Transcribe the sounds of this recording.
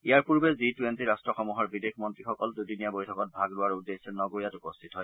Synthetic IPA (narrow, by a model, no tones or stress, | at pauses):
iaɹpuɹbɛzitwentiɹastɹɔxɔmuɦɔɹbidexʰmɔntɹixɔkɔldudinijabojtʰɔkɔt̚bʱaɡlʊwaɹudesɛnɔɡoɹjatupɔstʰitɦɔj